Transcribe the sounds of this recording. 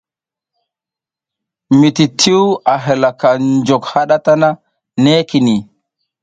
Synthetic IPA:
mi˨ti˨tʰi˦wa˨ɦe˨la˨ka˨nd͡ʒo˨kha˦ɗa˦ta˦na˦ | ne˦ki˨ni˨

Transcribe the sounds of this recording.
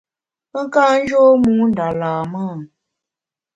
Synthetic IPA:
pə˦ŋ˦kaː˦n̩˦d͡ʒoː˦mu˨˦n̩˨da˨laː˨maː˦˨

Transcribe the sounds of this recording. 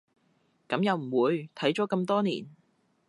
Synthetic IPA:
kɐ˨˥mjɐ˨˧wm̩˨˩wuː˨˧jt̪ʰɐ˨˥jt͡sɔː˨˥kɐ˧mt̪ɔː˥niː˨˩n

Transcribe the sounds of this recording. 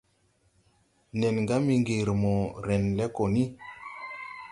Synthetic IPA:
nɛ˨nŋɡa˦mi˧ŋɡe˨ɾmɔ˨ɾɛ˨nlɛ˦ko˨ni˦

